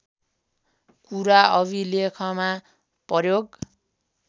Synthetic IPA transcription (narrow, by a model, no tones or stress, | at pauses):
kuɾaʔʌbʱilekʰʌma | pʌrjoɡ